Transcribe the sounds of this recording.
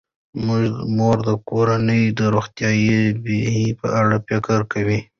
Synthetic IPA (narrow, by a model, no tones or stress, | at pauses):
mʊʒmoɾd̪əkoɾanəjd̪əɾoxt̪jɑjibehipə̰ʔaɽapekəɾkawi